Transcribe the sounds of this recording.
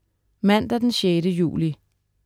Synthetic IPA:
mæn̰d̥æd̥enɕeːɾəjṵːli

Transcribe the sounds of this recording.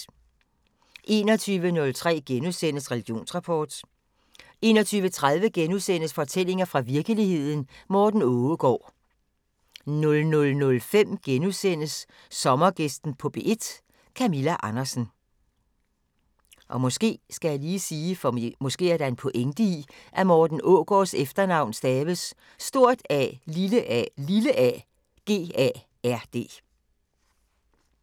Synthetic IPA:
ʔe̝̰ːnɒt͡sʰyːʋənɔ̽lt͡sʰʁɛ̰ːɡ̥enuðˠsen̰əsʁɛliɡ̥jo̝̰ːnsʁɑ̈pʰɒːd̥ | e̝ːnɒ̽t͡sʰyːʋət͡sʰʁaðˠʋəɡ̥enusen̰əsfɒ̽t͡sʰel̰e̝ŋɐfʁɑ̈ʋiɐɡ̥əlihe̝ð̞̰ˠn̩mɒːd̥n̩ɔːəɡ̥ɒ̰ː | nɔ̽lnɔ̽lnɔ̽lfem̰ɡ̥enuðˠsen̰əsː | ɒ̽mɐɡ̥esd̥n̩pʰɒ̽b̥e̝ʔe̝d̥ | kʰæmilæʔɑ̈nɐsn̩ | ʔɒ̽mɔ̽sɡ̥e̝̰ːsɡ̥æjɑ̈ɪliːsiːfɒmɔ̽sɡ̥e̝̰ːæɐɾ̥ɑ̈e̝npʰɔ̽ʔeŋd̥iiʔæmɒːd̥n̩ʔɔɡ̥ɒːsefd̥ɐnɑ̈ʊ̰nsd̥ɛːʋəsː | d̥o̝ɐ̰d̥ɛ̰liləʔliləʔɛ | ɡ̥e̝̰ːɛ̰ | æɐ̰d̥e̝̰ː

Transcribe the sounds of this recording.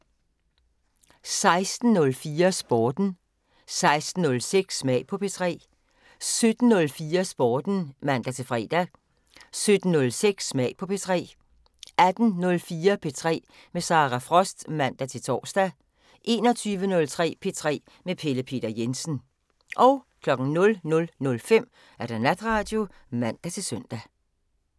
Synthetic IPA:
sɑ̈ɪsd̥n̩nɔ̽lfiːɐsb̥ɒːd̥n̩ | sɑ̈ɪsd̥n̩ːɔ̽lseɡ̥smɛɪ̰pʰɒ̽pʰe̝t͡sʰʁɛ̰ː | sød̥n̩ːɔ̽lfiːɐsb̥ɒːd̥n̩mæn̰d̥æt͡sʰe̝lfʁɛ̰ːd̥æ | sød̥n̩ːɔ̽lseɡ̥smɛɪ̰pʰɒ̽pʰe̝t͡sʰʁɛ̰ː | æd̥n̩nɔ̽lfiːɐpʰe̝t͡sʰʁɛ̰ː | mesɑ̈ʁæfʁɒsd̥mæn̰d̥æt͡sʰe̝lt͡sʰɒ̰ːsd̥æ | ʔe̝ːnɒ̽t͡sʰyːʋənɔ̽lt͡sʰʁɛ̰ːpʰe̝t͡sʰʁɛ̰ː | mepʰe̝ləpʰe̝̰ːd̥ɐjensn̩ | ʔɒ̽ʊkʰlɒ̽ɡ̥ŋ̩nɔ̽lnɔ̽lnɔ̽lfem̰ | æɐɾ̥ɑnæd̥ʁɑ̈ːd̥jo̝ | mæn̰d̥æt͡sʰe̝lsøn̰d̥æ

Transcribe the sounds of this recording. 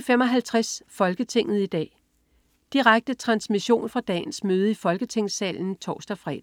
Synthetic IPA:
femɒ̽ɦælt͡sʰʁasfɒ̽lɡ̥ət͡sʰe̝ŋ̰ð̞̩ˠid̥ɛ̰ː | d̥iʁaɡ̥̚d̥ət͡sʰʁɑ̈nsmiɕo̝̰ːnfʁɑ̈d̥ɛ̰ːnsmøːð̞ˠəifɒ̽lɡ̥ət͡sʰe̝ŋ̰sɛ̰ːln̩t͡sʰɒ̰ːsd̥ɐfʁɛ̰ːd̥

